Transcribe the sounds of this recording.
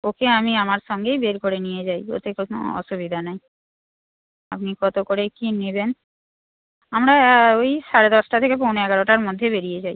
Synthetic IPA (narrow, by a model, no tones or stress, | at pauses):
okeamiamaɾʃɔŋɡejbeɾkoɾenijed͡ʑajo̰t̪ʰekono̰ɔ̰ʃubid̪ʱanaj | apnikɔt̪okoɾekiniben | amɾaojʃaɾed̪ɔsʈat̪ʰekep̬ownoɛɡaɾoʈaɾmod̪ʱːebeɾijed͡ʑaj